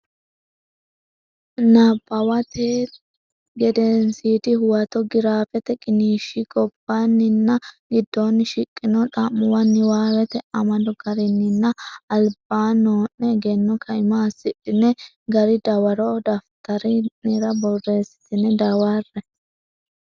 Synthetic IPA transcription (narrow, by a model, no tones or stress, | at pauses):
nɐbɐwɐt̪eː | ɡɛd̪ɛnsiːd̪ɪhʊwɐt̪ɔɡɪɾaːfɛt̪ɛkʼɪniːʃikʼɔb̥ːanːɪnːɐɡɪd̪ːonːɪʃɪkʼːɪnɔt̪ʼɐmːʊwɐnːɪwaːwɛt̪ɛɐmɐd̪ɔɡɐɾɪnːɪnːɐɐlbaːnoːnnɛɡɛnːɔkʰɐɪmaːsːɪᶑɪnɛ | ɡɐɾɪd̪ɐwɐɾɔd̪ɐft̪ɐɾɪnɪɾɐbɔrːe̞ːsɪ̥t̪ɪnɛd̪ɐwarːɛ